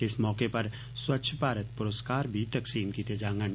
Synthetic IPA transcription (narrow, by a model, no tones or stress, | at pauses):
ɪsmɔːkepɐɾ | swɐtːʃʰpaːɾət̪̚pʊɾoskaːɾbʱit̪ɐksiːmkiːt̪ed͡ʒãːŋɡən